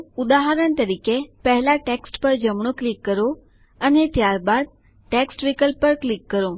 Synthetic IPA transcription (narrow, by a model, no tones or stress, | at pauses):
ud̪aɦəɾəɳt̪əɾikepəɦɛlaʈeksʈpəɾd͡ʒəmɳ̃õklikːəɾo | ənet̪jaɾbad̪̚ | ʈeksʈʋikəlpəɾklikːəɾõ